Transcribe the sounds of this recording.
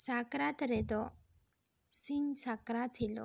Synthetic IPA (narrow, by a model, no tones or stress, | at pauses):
sakɾat̪ɾet̪o | sinsakɾat̪ʰilo̰